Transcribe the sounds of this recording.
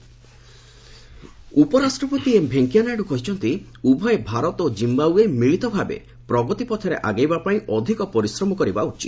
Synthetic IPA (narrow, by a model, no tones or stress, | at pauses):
upɔɾasʈɾɔpɔt̪iebʱeŋkianajɖukɔɦit͡ʃʰɔnt̪i | ubʱɔebʱaɾɔt̪od͡ʒimbawemiɭit̪ɔbʱabḛ | pɾɔɡɔt̪ipɔt̪ʰɔɾḛʔa̰ɡejbapaĩʔɔd̪ʱikɔpɔɾisɾɔmɔkɔɾibaut͡ʃʰi̥̰t̪